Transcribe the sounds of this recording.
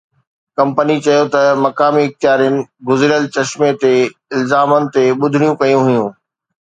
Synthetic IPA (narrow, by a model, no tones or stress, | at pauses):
kɐ̃mpənit͡ɕɐjot̪ɐmɐkaːmiɪxt̪ijaːɾjənɪ̆ɡʊzɪɾijəlt͡ɕɐʃmet̪eɪlzaːmənɪ̆t̪eɓʊd̪ʱɪɽ̃ijũkɐjũɦʊjũː